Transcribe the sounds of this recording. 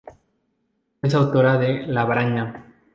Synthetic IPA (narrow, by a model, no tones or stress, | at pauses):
es̬awt̪oɾaðelaβɾaɲa